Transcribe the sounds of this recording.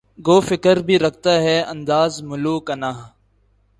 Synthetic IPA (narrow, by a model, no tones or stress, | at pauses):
ɡoːfɪkəɾbʱiːɾɐk̚ʰt̪aːɦɛːɐ̃nd̪aːzmʊluːkənaːɦ